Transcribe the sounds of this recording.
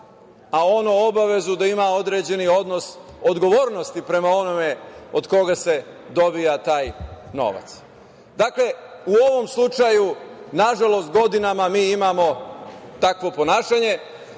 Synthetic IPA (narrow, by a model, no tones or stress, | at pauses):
ao̞noobaʋe̞zud̪aimao̞d̪ɾed͡ʑe̞nio̞d̪nosod̪ɡo̞ʋo̞ːɾno̞st̪ipɾe̞mao̞no̞me̞o̞d̪ko̞ɡase̞ | d̪o̞bijat̪aːjno̞̰ʋa̰t̪s | d̪akle̞uo̞ʋo̞mslˠut͡ʃajunaʒalo̞st̪̚ɡo̞d̪inamamiːimamo̞t̪akʋo̞po̞naːʃaɲe̞